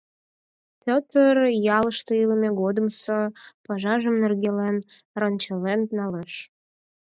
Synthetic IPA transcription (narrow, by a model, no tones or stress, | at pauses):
pʲot̪ərjɑləʃt̪eiləmeɣod̪əmsopɑʒɑʒəmnerɣelen | rənt͡ɕəlennɑleʃ